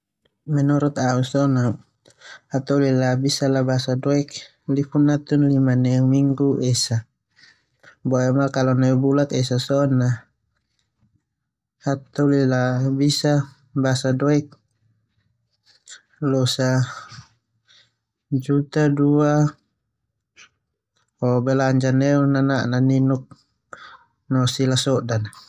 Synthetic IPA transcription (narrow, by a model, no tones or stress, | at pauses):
mɛnɔɾɔt̪ausɔna | at̪ɔlilabisalabasadɔɛk | lifunat̪unlimanɛmiŋɡuʔɛsa | bɔɛmakalɔnɛubulat̪ɛsasɔna | hat̪ɔlilabisa | basadɔik̚ | lɔsa | d͡ʒut̪adua | ɔbɛlaɲd͡ʒanɛunanaʔnaninuk̚ | nɔsilasɔdana